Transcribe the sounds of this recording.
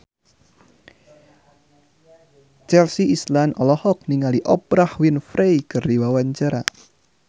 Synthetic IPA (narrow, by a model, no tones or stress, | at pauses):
t͡ʃɛlsiʔislanɔlɔhɔk̚niŋaliʔɔpɾahwinfɾʔejkɨrdiwawaɲt͡ʃaɾa̰